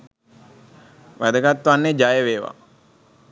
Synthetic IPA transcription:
ʋæd̪əɡat̪ːʋanːed͡ʒajəʋeːʋa̰

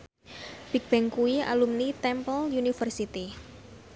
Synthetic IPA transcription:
b̥ik̚b̥ɛŋkuia̰lumnit̪ɛmpəljunifərsit̪i

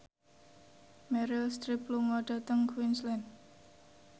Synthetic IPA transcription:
mɛɾɪlst̪ɾipluŋɔɖ̥a̤t̪əŋkʰwinslɛn

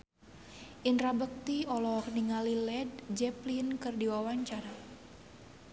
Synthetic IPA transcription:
ʔinrabək̚t̪iɔlɔkniŋalilɛdd͡ʒɛplinkɨrdiwawaɲt͡ʃaɾa

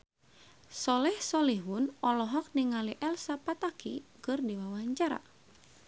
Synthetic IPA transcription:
sɔlɛhsɔliɦunɔlɔɦɔk̚niŋaliʔɛlsapat̪akḭkɨrdiwawaɲt͡ʃaɾa̰

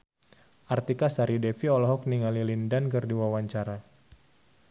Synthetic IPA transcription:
ʔart̪ikasaɾidefiɔlɔɦɔk̚niŋalilindankɨrdiwawaɲt͡ʃaɾa

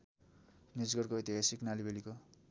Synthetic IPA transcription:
nid͡zɡʌrkoʌjt̪iɦasiknalibeliko

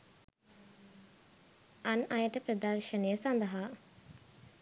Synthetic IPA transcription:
anajəʈəpɾəd̪arʃənəjəsand̪əɦa

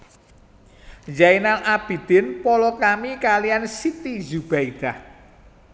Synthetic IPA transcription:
d͡ʒainalʔab̥i̤d̪̥ɪ̤npɔlɔkamikalijansit̪izub̥aid̪̥ah

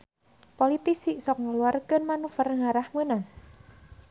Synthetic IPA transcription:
polit̪isiʔsɔk̚ŋəluarkənmanufərŋaɾahmənaŋ

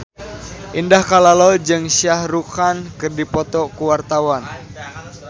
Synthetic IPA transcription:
ʔindahkalalɔld͡ʒɨŋsiahrukankɨrdipɔt̪ɔkuwart̪awan

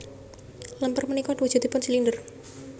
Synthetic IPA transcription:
ləmpərmənikɔdwud̥ʒ̥ṳd̪̥i̤pʊnsilindər

